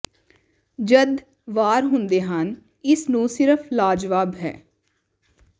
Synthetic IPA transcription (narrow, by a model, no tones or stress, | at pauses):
d͡ʒəd̪ | ʋaːɾɦʊnd̪eːɦən | ɪsnũːsɪɾəfʰlaːd͡ʒʋaːbɦɛ̰ː